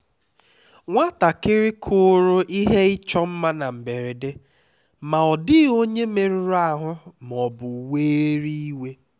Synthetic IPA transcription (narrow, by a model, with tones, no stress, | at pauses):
ŋʷa˦ta˨kɪ˦ɾɪ˦kʰʊ˦ɾʊ˦ʔi˦ɦe˦ɪ˦t͡ʃɔ˦m̩˦ma˦na˨m̩˨be˨ɾe˨de˦ | ma˨ɔ˨dɪ˦o˦ɲe˦me˨ɾu˨˦ɾa˦˨ɦʊ˦m˨ɔ˨bʊ˨weː˦ɾi˦i˦we˦